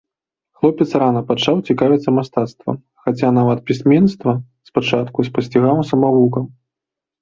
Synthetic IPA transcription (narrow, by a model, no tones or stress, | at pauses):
xlˠɔpʲɛt̪sɾanɐpat͡ʂawt͡sʲikavʲit̪sɐmast̪at̪st̪vɐ̰m | xat͡sʲanavɐt̪̚pʲisʲmʲɛnst̪vɐ | spat͡ʂat̪kuspɐsʲt͡sʲiɣawsɐmavukɐm